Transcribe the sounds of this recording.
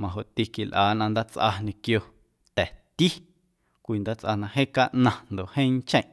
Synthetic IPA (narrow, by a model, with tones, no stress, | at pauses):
mã˨ɦo˨ʔt̪i˧ki˨lʔaː˨nʔã˧nd̪a˦t͡sʔa̰˧ɲẽ˧kjo˧ | t̪ɛ˨t̪i˦ | kʷiː˧nd̪aː˦t͡sʔa˧nã˧ɦẽː˦ka˦ʔnã˧nd̪o˨hẽ˦ŋ˦t͡ʃẽ˦˨ʔ